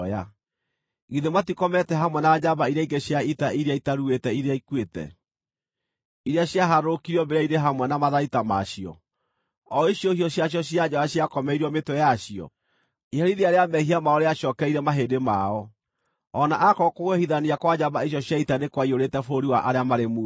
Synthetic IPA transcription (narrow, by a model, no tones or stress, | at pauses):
a | ɣiðematikɔmɛtɛɦamwɛnad͡ʑabaiɾaiŋɡeɕjaitaʔiɾeaitaɾuetɛiɾeaikwetɛ̰ | iɾeaɕjaɦaɾokiɾiɔbeɾaiɾeɦamwɛnamaðaitamaʃiɔ̰ | ɔiɕjɔhiɔɕjaɕ̬jɔɕiad͡ʑɔaɕjakɔmɛiɾɔmetojaɕijɔ̰ | ihaɾiɾeaɾeamɛɦiamaɔɾeaɕɔkɛiɾɛmaɦedema̰ɔ | ɔnaʔakɔkoɣwɛhiðaniakwad͡ʑabaiɕ̬jɔɕjaitanekwaioɾetɛfoɾiwaʔaɾeamaɾemu